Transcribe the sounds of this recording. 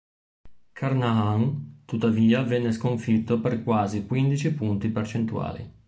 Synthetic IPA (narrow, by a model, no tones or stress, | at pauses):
kʰarnaaŋt̪ut̪ːaviːavɛnːeskoɱfit̪ːoperkwaːzikwind̪it͡ʃipunt̪ipert͡ʃent̪ua̰ːlḭ